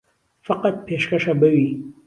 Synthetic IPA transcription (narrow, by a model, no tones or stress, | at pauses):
faqat̪̚peʃkaʂabawi